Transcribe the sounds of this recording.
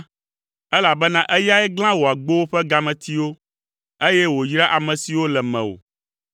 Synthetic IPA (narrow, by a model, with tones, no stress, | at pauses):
ɛ˦la˨bɛ˦nã˦ʔɛ˦ja˦ɛ˦ɡl̃ã˦wo˨a˨ɡ͡bo˦wo˦ɸɛ˦ɡa˦mɛ̃˨t̪ʰi˦wo˦ | e˦jɛ˦wo˨jɾa˦ʔa˨mɛ̃˨si˨wo˦lɛ˨mɛ̰̃˨wo̰˨